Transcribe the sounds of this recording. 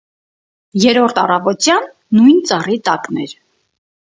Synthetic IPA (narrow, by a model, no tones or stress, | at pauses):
jɛɾɔɾt̪ʰɑrɑvɔt̪jɑnː | ujnt͡sɑrit̪ɑknɛɾ